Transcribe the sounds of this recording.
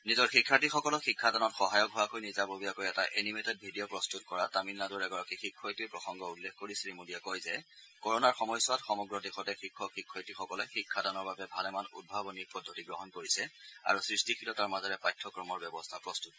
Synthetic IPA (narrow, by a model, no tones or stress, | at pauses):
nizɔɹxikʰːatixɔkɔlɔxikʰːadanɔtxɔɦajɔkɦɔakojnizabobiakojɛtaʔenimetɛt̚bʱidijɔpɹɔstutkɔɹataminːaduɹɛɡɔɹakixikʰːɔjtʊepɹɔxɔŋɡɔulːekkoɹisiɹimudijakɔjzɛ | kɔɹɔnaɹxɔmɔjsʊatxɔmɔɡɹɔdixɔtɛxikʰːɔxikʰːɔjtixɔkɔlɛxikʰːadanɔɹbabɛbʱalɛmanṵd̚bʱabɔniɹpɔdʱːotiɡɹɔɦɔnkoɹisɛa̰ɹusɹistikʰilɔtaɹmazɔɹɛpɹajtʰːɔkɹɔmɔɹbɛbɔstʰapɹɔstut